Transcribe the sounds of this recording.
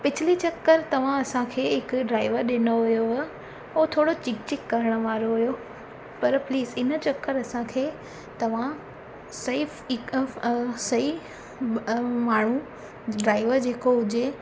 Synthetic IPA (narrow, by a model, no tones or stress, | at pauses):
pɪt͡ɕʰɪlit͡ɕɐkːəɾt̪ɐʋ̤ãɐsãkʰeːɦɪkʊɖɾaːɪʋəɾɗɪnoɦʊjoɦ | ʊt̪ʰoːɽot͡ɕɪk̚t͡ɕɪkːɐɾəɽ̃ə̆ʋaːɾoɦʊjo | pɐɾpliːzɪnt͡ɕɐkːəɾɐsãkʰeː | t̪ɐʋ̤ã | sɐɪfk | sɐi | maːɳ̤ũ | ɖɾaːɪʋəɾd͡ʑeːkoɦʊd͡ʑe